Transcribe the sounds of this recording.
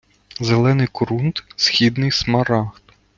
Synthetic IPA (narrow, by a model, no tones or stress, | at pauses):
zelˠɛnɪjkʊɾunt̪sʲxʲid̪nɪjsmɐɾɑxt̪